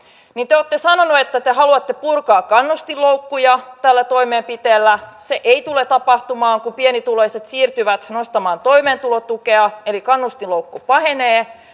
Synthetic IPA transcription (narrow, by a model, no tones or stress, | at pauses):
nint̪eoːt̪ːesɑnonuet̪ːæt̪eɦɑluɑt̪ːepurkɑːkkɑnːust̪iloukːujɑt̪ælːæt̪oimeːmpit̪eːlːæseʔeit̪ulet̪ɑpɑht̪umɑːŋkumpienit̪uloiset̪siːrt̪yʋæt̪nost̪ɑmɑːnt̪oimeːnt̪ulot̪ukeɑelikɑnːust̪iloukːupɑheneː